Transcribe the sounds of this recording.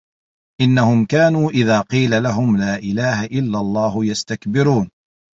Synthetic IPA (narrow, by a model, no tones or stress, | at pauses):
ʔɪnːahʊmkaːnuːʔɪðaːqiːlalaɦʊmlaːʔɪlaːhaʔɪlːalˤːɑːhʊjast̪akbɪɾuːn